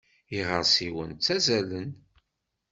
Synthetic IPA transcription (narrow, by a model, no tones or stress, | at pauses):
iʁəɾsiwə̰nt͡sːæzælən